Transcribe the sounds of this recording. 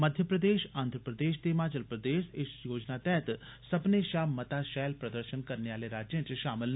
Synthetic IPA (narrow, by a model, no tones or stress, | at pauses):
mɐd̪ʱjəpɾəd̪eːʃaːnd̪ʱɾəpɾəd̪eːʃt̪emaːd͡ʒəlpɾəd̪eːʃɪsjoːd͡ʒnat̪ɛːt̪sɐbneʃaːmɐt̪aʃɛːlpɾɐd̪əɾʃənkɐɾneaːleɾaːd͡ʒjə̃nt͡ʃʃaːmɪl